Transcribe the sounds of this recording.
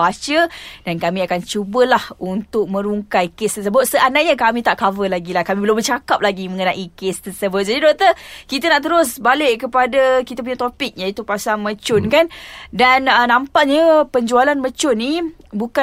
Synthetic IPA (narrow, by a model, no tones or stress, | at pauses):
at͡ʃəd̥ankamĩakant͡ʃubəlahunt̪ʊk̚mə̃ɾuŋkajkest̪ərsəbʊt̪̚səʔanaʔɲakamĩt̪aʔkavəlaɡilahkamibəlʊmbət͡ʃakap̚laɡimə̃ŋənaʔikest̪ərsəbʊsanədɔʔ̚t̪əkit̪anaʔt̪̬əɾʊs̬balɪʔkəpadakit̪ap̬uɲat̪opɪk̚ɲãit̪upasaŋmə̃t͡ʃʊnkandanənãmpaʔɲəpəɲd͡ʒualanmə̃t͡ʃʊnibuka